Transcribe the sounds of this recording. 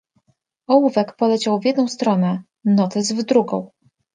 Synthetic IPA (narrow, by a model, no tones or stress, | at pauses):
ɔwuvɛkpɔlɛt͡ɕawvʲjɛd̪nɔ̃w̃st̪ɾɔnɛ | nɔt̪ɘzvd̪ɾuɡɔ̰̃w̃